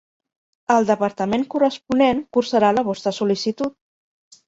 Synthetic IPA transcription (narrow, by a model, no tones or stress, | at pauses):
əlˠd̪əpəɾt̪əmeŋkurəspuneŋkuɾsəɾaləβɔst̪ɾəsulisit̪ut̪̚